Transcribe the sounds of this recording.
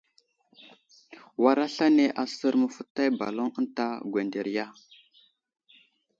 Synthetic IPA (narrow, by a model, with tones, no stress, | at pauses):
wa˨ɾa˦ɬa˦ne˦ʔa˨sə˦ɾmə˨fə˦tːa˦jba̰˨lo˦ŋə˦nta˦ɡwe˨nde˨ɾja˦